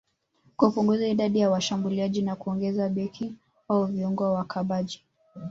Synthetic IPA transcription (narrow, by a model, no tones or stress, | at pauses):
kaupuŋɡuzaiɗaɗijawaʃambuliaʄinakuɔŋɡɛzaɓɛkʰi | auviuŋɡɔawakʰaɓaʄi